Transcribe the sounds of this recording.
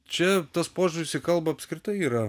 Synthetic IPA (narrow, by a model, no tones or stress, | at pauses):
t͡ʃʲɛt̪ɐspoːʒʊɾʲɪsʲiːkɐlˠbɐɐpʲskɾʲɪt̪ɐɪiːɾɐ